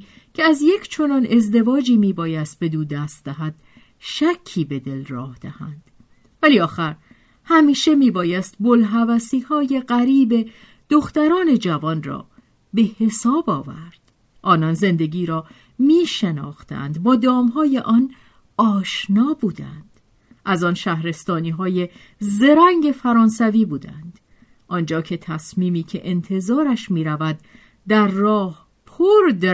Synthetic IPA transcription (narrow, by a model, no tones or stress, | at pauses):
cʰeæzjecʰt͡ʃʰo̞nɒːne̞zd̪e̞vɒːd͡ʒiːmiːbɒːjæst̪̚be̞d̪uːd̪æst̪̚d̪æɦæd̪̥̚ | ʃæcʰːiːbe̞d̪e̞lrɒːhd̪̥æhænd̪̥ | væliːɒːxæɾ | hæmiːʃe̞miːbɒːjæst̪̚bolɦævæsiːhɒːje̞ɢæɾiːbe̞ | d̪̥oxt̪æɾɒːne̞d͡ʒævɒːnrɒ̰ː | be̞he̞sɒːbɒːvæ̰ɾd̪̥ | ʔɒːnɒnze̞nd̪e̞ɡiːɾɒː | miːʃenɒ̰ːxt̪æ̰nd̪bɒːd̪ɒːmɦɒːje̞ʔɒn | ɒːʃnɒːbuːd̪æ̰nd̪̥ | ʔæzɒnʃæhɾe̞st̪ɒːniːɦɒːje̞ | ze̞ɾæŋɟe̞fæɾɒːnsæviːbuːd̪æ̰nd̪̥ | ʔɒnd͡ʒɒːcʰe̞t̪ʰæsmiːmiːcʰe̞ʔent̪ʰe̞zɒːɾæʃmiːɾævæd̪̚ː | æɾːɒːh | pʰoɾd̪